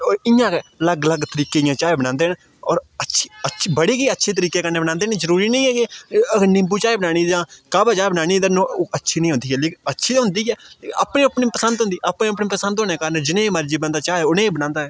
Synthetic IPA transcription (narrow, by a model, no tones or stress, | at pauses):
ɪjãːkeləɡləɡt̪əɾiːkeːjãːt͡ʃaːeːbənãːnd̪eːn | ɔːɾətːʃʰiːət͡ʃʰːbəɽeːkiːətːʃʰeːt̪əɾiːkeːkəɾneːbənãːnd̪eːneːzəɾuːɾiːnəĩːɛːkeəɡnɪ̃mbuːt͡ʃaːeːbənaːñiːd͡ʒãːkaːbaːt͡ʃaːeːbənaːniːd̪ənõːʔətːʃʰiːnəĩɦʊ̃nd̪iːɦɛːleːkətːʃʰiːɦʊnd̪iːɛːa̰ːpneːəpnĩːpəsənd̪ɦʊ̃nd̪iːʔaːpnẽːəpniːpəsənd̪ɦoːneːkəːɾənd͡ʒɪnẽːməɾd͡ʒiːbənd̪aːt͡ʃaːɛːʊnẽːiːbənãːnd̪aːɛː